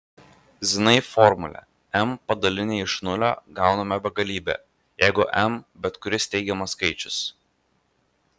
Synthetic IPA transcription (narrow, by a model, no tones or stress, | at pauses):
zʲɪnɐifɔɾmʊlʲɛ̰ | ɛmpɐd̪ɐlʲɪnʲeːɪʃnʊlʲo̰ːɡɑˑʊnɐmʲɛbʲɛɡɐlʲiːbʲɛ̰ː | jɛɪɡʊʔɛmbʲɛt̪kʊɾʲɪst̪ʲɛɪɡʲɛmɐskɐɪt͡ʃʲʊs